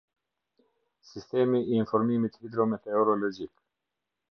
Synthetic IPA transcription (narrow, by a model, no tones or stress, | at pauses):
sist̪ɛmiːnfɔɾmimit̪vid̪ɾɔmɛt̪ɛɔɾɔlɔd͡ʑik